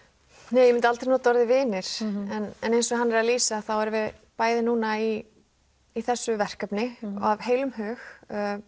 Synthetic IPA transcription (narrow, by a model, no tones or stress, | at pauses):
neːjɛmɪnt̪alt̪ɾɪnuːt̪ɔɾðɪvɪːnɪɾ̥ɛnɛnejnsɔɣɦanːɛɾaðliːsaθawɛɾvɪpaːjðɪnuːnaiː | θɛsːʏvɛr̥kapnɪavɦeːjlʏmhœːx